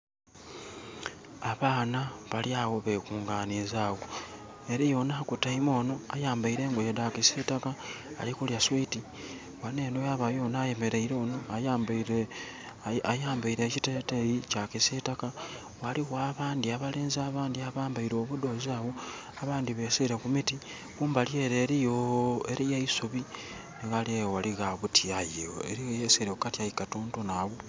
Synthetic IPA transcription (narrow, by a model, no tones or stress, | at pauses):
aβaːnaβaljaːɣo̞βe̞kuːŋɡaːnizaːɣo̞ | e̞ɾijo̞naːkutaimo̞ːno̞a̰jaːmbaiɾe̞ːŋɡojedakisitaka̰ːlikuljaswiti | wane̞ːnojaβajo̞ːnaːje̞me̞ɾe̞iɾenoaj | ajaːmbaiɾe̞ːcitetejicakisetaka | waliɣwaːβaːndiaβaleːnzaːβaːndiaβaːmbaiɾo̞βudo̞zaβo | aβaːndiβeseɾe̞kumiti | kuːmbaljeɾeɾijoeɾijeisuβi | neɣaliewaliɣaβutʰiajio̰ḛɾijeseɾekukatiajikatoːnto̞naβo